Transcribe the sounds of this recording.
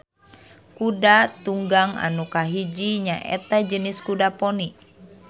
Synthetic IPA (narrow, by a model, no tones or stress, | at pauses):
kudat̪uŋɡaŋa̰nukaɦid͡ʒiɲaʔɛ̰t̪ad͡ʒəniskudapɔni